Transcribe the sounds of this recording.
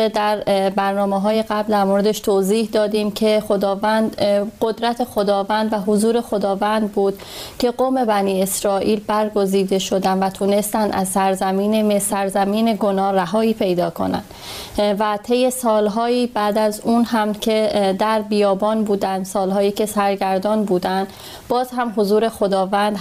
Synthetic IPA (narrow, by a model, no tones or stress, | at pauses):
ed̪æɾbæɾnɒːmeɦɒːje̞ɡæbld̪æɾmoɾe̞d̪e̞ʃt̪ʰoːziːhd̪ɒːd̪iːmcʰe̞xo̞d̪ɒːvænd̪ɢo̞d̪ɾæt̪ʰe̞xo̞d̪ɒːvænd̪væɦozuːɾe̞xo̞d̪ɒːvænd̪̚buːd̪̥ | cʰe̞ɡoːme̞bæniːe̞sɾɒːʔiːlbæɾɡo̞ziːd̪e̞ʃo̞d̪ænd̪væt̪ʰune̞st̪ænd̪ʔæzsæɾzæmiːneesæɾzæmiːne̞ɡo̞nɒːræɦɒːiːpʰe̞jd̪ɒːkʰo̞̰næ̰nd̪ | væt̪ʰe̞jːe̞sɒːlɦɒːiːbæːd̪æzuːnhæmcʰe̞d̪æɾbijɒːbɒːnbuːd̪ænd̪sɒːlɦɒːjiːcʰe̞sæɾɟæɾd̪ɒːnbuːd̪ænd̪ | bɒːzhæmɦo̞zuːɾe̞xo̞d̪ɒːvænd̪